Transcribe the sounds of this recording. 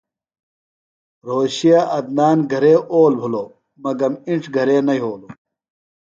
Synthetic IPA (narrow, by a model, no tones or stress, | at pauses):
ɾoːɕijaʔɐd̪̚naːnɡʱɐɾeːʔoːlbʱuloː | mɐɡɐmiɳʈ͡ʂʰɡʱɐɾeːnɐiɦoːloː